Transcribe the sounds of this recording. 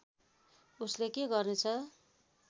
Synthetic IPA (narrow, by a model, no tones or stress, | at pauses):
uslekeɡʌrnet͡sʰʌ